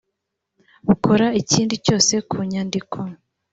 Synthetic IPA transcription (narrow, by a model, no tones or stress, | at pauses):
uko̞ɾaiciːndico̞ːse̞kʰuɲaːndikʰo̞